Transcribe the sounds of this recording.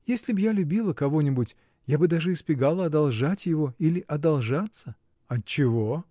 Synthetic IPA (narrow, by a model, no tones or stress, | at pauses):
jesʲlʲɪbjalʲʊbʲilˠəkɐvo̞nʲɪbʊtʲ | jabɨd̪aʐɨɪspʲɪɡalˠəɐd̪ɐlˠʐatʲjɪvo̞ilʲɪʔɐd̪ɐlˠʐat̪sə | ɐtt͡ɕːɪvo